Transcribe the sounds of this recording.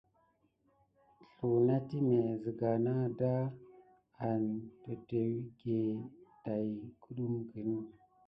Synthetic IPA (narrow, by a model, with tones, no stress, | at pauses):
ɬu˨na˦ti˦ne˨zi˨ɡa˨na˦da˦ | a˨ntə˨de˨wi˦ɡe˨da˨jkʰu˦ɗu˦mɡi˨nu˦